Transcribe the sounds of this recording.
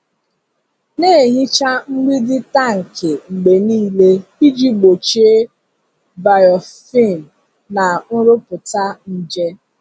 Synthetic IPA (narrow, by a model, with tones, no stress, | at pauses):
ne˦˨ɦi˦t͡ʃa˦ŋ͡m̩˦ɡ͡bi˦dɪ˦ta˦ŋ̩˨ke˨ŋ͡m̩˨ɡ͡be˨niː˦le˦i˦d͡ʒi˦ɡ͡bo˨t͡ʃe˦ | ba˨jɔ˨fi˦˨m̩˨ | na˨nʊ˦ɾʊ˦pʊ˨ta˦n̩˦d͡ʒe˦